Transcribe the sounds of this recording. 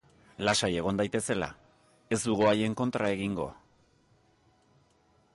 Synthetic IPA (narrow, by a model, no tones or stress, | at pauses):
lasaje̞ɣ̞o̞nd̪ajt̪e̞se̞la̰ | e̞zd̪uɣoaje̞ŋko̞nt̪ɾae̞ɣiŋɡo̞̰